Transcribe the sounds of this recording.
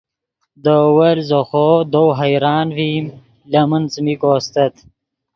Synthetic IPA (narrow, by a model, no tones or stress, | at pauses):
d̪owɐlzoxod̪owɦajɾɑːnvim | lɐmənt͡smikoːst̪ɐt̪